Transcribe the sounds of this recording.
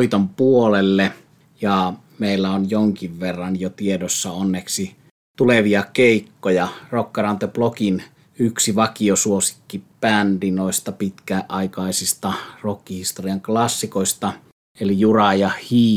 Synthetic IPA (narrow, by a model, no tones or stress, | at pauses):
it̪ompuolelːe | jɑ | meˑilːæonjoŋkiʋʋerːɑnjot̪iedosːɑonːeksi | t̪uleʋiɑkeˑikːojɑrokːɑrɑnt̪eplokin | yksiʋɑkiosuosi̥kːipændinoˑist̪ɑpit̪kæʔɑikɑˑisist̪ɑrokːihist̪oriɑŋklɑsːikoist̪ɑ | elijurɑjɑhiː